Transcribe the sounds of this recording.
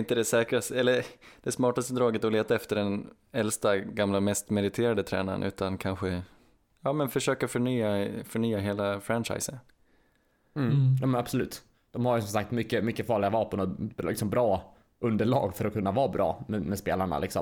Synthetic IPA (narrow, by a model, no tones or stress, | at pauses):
ɪnt̪əd̪ɛsɛːkɾast̪ɛlːəd̪̥ɛsmɑːʈast̪əd̪ɾɑːɡət̪ɔleːt̪aɛft̪əɖɛn | ɛlst̪aɡamlamɛst̪mɛd̪ɪt̪ʰeːɾad̪ət̪ʰɾɛ̰ːna̰ɾə̰nʔʉ̟ːt̪ankʰanɧə | jɑːmɛnfœʂøːkafœɳyːafœɳyːaɦeːlafɾanʂa̰jsən | m̩ːjɑːmɛnabsɔlʉ̟ːt̪ː | d̪̥ɔmhaɾjəsɔmsak̚t̪mʏkːəmʏkːəfɑːɭɪɡavɑːpənɔɪksɔmbɾɑː | ʔɵnd̪əɭɑ̰ːɡfœɾɔkʰɵnːavɑːbɾʔɑ̰ːmɛmɛspḛːlaɳa̰lɪksɔ̰m